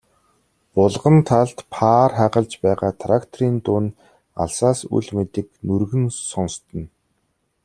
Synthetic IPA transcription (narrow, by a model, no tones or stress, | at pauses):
pʊɮʁə̆nt̪ʰaɮt̪pʰaːrχæʁə̆ɮt͡ɕpæːʁaːt̪ʰrakt̪ʰɔɾiːnt̪ʊːn | a̰ɮsaːsṵɮmet̪ɘ̆knurɣɘ̆nsɔnst̪ə̆n